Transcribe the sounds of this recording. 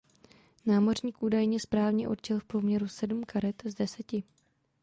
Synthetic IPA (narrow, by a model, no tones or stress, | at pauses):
naːmo̞r̝ɲiːkʔuːdajɲɛspɾaːvɲɛʔo̞dt͡ʃɛlfpɾomɲɛɾusɛdm̩kʰaɾɛt̪zdɛsɛcɪ